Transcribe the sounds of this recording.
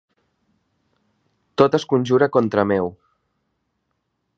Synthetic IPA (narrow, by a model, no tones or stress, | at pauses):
t̪ot̪əskunʲʒuɾəkɔnt̪ɾəmew